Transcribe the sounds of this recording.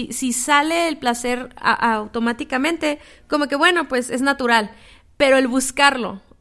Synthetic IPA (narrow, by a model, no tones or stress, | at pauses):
isisaleːlplaseɾa̰ʔawt̪omat̪ikamẽnt̪e | komokeβweno̞pweseznat̪uɾal | peɾoelβuskaɾlo̰